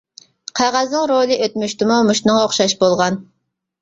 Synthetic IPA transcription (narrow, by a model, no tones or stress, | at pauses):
qʰɑʁɑznɨŋɾolˠɨʔøt̪myʃt̪ɪmumuʃt̪nɨŋoχʃɑʃbolˠʁɑn